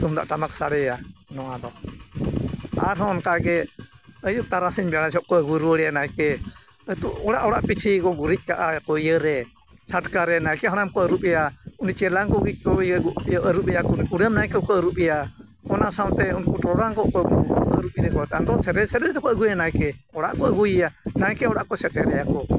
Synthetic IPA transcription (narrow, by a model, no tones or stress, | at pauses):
t̪umd̪a̰ʔʈamaksaɽɛjanɔwad̪ɔ | a̰ɾɦɔnkaɡɛəjuʔ̚t̪aɾasiɲbɛaɽad͡ʒɔʔkɔəɡuɾuəɽɛanajkɛ | ət̪uʔɔɽaʔɔɽaʔpit͡ʃʰikɔɡuɾic̚ˀkaʔakɔijəɾɛ | t͡ʃʰaʈkaɾɛnajkɛɦaɽamkɔəɾupɛjaunit͡ʃɛlaŋkɔɡikɔəɡuʔjɔʔəɾubɛjakniuɾəmnajkəkɔəɾuʔɓɛja | ɔnasawnt̪ɛunkuʈɔɽaŋkɔʔkɔɡukɔəɾuʔid̪ɛkɔat̪and̪ɔsɛɾɛsɛɾɛt̪̚d̪ɛkɔəɡujanajkɛɔɽa̰ʔkɔəɡujɛjanajkɛɔɽaʔkɔsɛʈɛɾɛjakɔ